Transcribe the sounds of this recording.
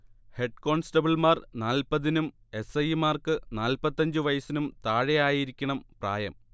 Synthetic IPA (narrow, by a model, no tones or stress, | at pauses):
he̞ɖ̚ko̞ːɳsʈɐbiɭmaːrnaːlpɐðinum | e̞sɐjimaːrkɨnaːlpɐt̪ːɐɲd͡ʑɨʋɐjɐsinumt̪aːɻejaːjiɾikʲːɐɳɐmpra̰ːjɐ̰m